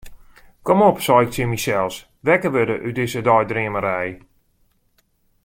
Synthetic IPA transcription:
komɔpsɔɪk̚tɪmisɛlˠs | ʋɛkəʋødəʔydɪsədɔjdrɪəməɾɛj

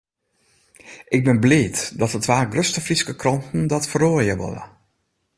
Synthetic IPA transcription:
ʔɪɡ̚bɪnblɪːtdɔtətʋaːɡrøstəfriskəkrɔntn̩dɔtfəroːəjəʋɔ̰lə̰

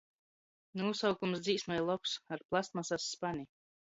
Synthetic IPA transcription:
nuusawkumsd̪ziːsmɛjlˠɔpsaɾplˠast̪̚masasːpani

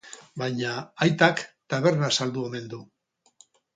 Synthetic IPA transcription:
bajɲaajt̪akt̪aβ̞e̞ɾnasald̪ue̞me̞nd̪u

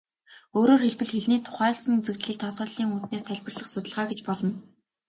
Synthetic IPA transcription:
oːɾoːrxeɮpɘ̆ɮxeɮniːt̪ʰʊ̥χæːɮsə̆ŋut͡sɘ̆kt͡ɕɮiːk̚t̪ʰɔt͡sʁɔːɮiːŋut̪neːst̪ʰæɮʲpə̆rɮə̆χsʊt̪ʲə̆ɮʁaːɡet͡ɕpɔɮɞ̆n

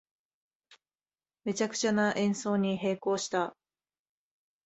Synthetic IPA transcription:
me̞t͡ɕakɯ̟̥t͡ɕanaʔẽ̞ɰ̃so̞ːɲ̟iɦe̞ːko̞ːɕi̥t̪a

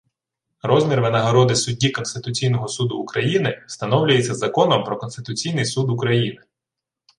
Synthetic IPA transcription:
ɾɔzmʲirʋenɐɦɐɾɔd̪ɪsʊdʲːikɔnst̪ɪt̪ʊt͡sʲijnɔɦɔsud̪ʊːkɾɐjinɪst̪ɐnɔwlʲʊjet͡sʲːɐzɐkɔnɔmpɾɔkɔnst̪ɪt̪ʊt͡sʲijnɪjsud̪ʊkɾɐjinɪ

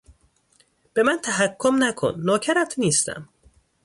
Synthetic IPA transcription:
b̥e̞mænt̪ʰæɦækʰːomnækʰo̰nːɒːcʰæɾæt̪ʰniːst̪æ̰m

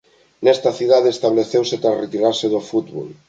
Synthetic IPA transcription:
nɛst̪aθiðaðeːst̪aβleθewset̪ɾasret̪iɾaɾseðofut̪βo̰l

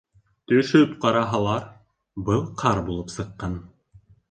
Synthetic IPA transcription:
t̪ɵ̆ʃɵpqɑɾɑɦɑlˠɑɾ | bɤlˠqʰɑɾbulˠɤpsɤ̆qːɑn

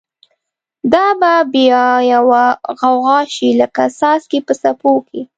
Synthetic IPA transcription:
d̪ɑbabejɑjawaɣawɣɑʃiləkasɑskepəsapokʰe

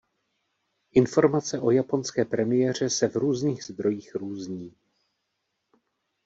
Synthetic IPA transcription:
ʔɪnfo̞ɾmat͡sɛʔo̞japo̞nskɛːpɾɛmɪjɛr̝ɛsɛvɾuːzniːɣzd̪ɾo̞jiːxɾuːzɲiː

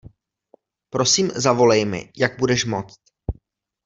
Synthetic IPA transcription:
pɾo̞siːmzavo̞lɛjmɪ̰jaɡ̚budɛʃmo̞t͡st̪

